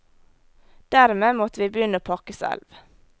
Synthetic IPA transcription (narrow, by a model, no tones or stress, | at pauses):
d̪̥æɾmeːmɔt̪əʋiːbəjʏnəoːpʰɑkəsɛ̰lʋ